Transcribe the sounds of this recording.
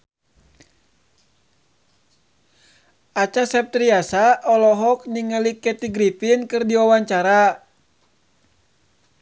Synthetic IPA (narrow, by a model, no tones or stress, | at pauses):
at͡ʃasɛp̚t̪ɾiasaʔɔlɔɦɔk̚niŋəlikɛt̪iɡɾipinkɨrdiwawaɲt͡ʃaɾa